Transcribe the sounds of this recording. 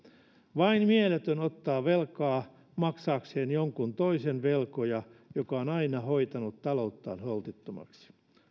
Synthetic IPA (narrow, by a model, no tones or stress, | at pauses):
ʋɑinmielet̪ønot̪ːɑːʋelkɑː | mɑksɑːkseːnjoŋkunt̪oisenʋelkojɑjokɑonɑinɑhoit̪ɑnut̪tɑlout̪ːɑ̰ːnholt̪it̪ːomɑ̰ksi̥